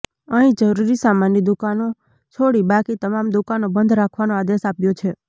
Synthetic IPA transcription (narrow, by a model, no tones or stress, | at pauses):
əɦĩd͡ʒəɾuɾisamanjid̪ukano | t͡ʃʰoɽibakit̪əmamd̪ukanobənd̪ʱɾakʰʋanoad̪esapjot͡ʃʰe